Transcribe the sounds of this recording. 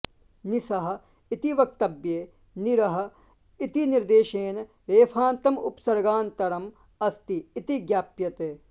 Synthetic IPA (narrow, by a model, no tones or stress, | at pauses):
nisɐɦɐ̆ | it̪iʋɐk̚t̪ɐbjeː | niɾɐɦɐ̆ | it̪iniɾd̪eːʃeːn | ɾeːpʰaːnt̪ɐmṵpsɐɾɡaːnt̪ɐɾɐm | ɐst̪iːt̪iɡjaːpjɐt̪eː